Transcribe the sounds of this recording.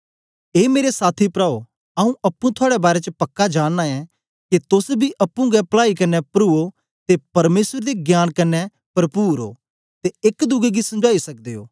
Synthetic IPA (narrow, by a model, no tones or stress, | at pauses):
eːmeːɾesaːt̪ʰipɾaːo | ɐũʔɐpːũt̪ʰʊaːɽɛbaːɾɛt͡ʃəpɐkːad͡ʒaːnːaɛ̃ | ket̪ʊsbʱiʔɐpːũɡɛplaːikɐnːɛpɾuːo | t̪epɐɾmeːsəɾd̪eɡjaːnkɐnɛ | pɐɾpuːɾo̰ː | t̪eɪkd̪ʊɡɛɡisɐ̃md͡ʒaːisɐk̚d̪eːo̰ː